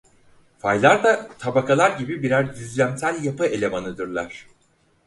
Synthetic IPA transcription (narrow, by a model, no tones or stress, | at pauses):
fajlˠaɾd̪at̪ʰabakʰalˠaɾɟibibiɾæɾjyzlʲæmsælʲjapɯe̞lʲe̞manɯd̪ɯɾlˠaɾ̝̥